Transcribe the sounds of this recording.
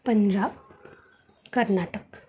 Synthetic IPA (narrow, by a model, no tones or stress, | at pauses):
pəɲd͡ʑaːb | kəɾnaʈək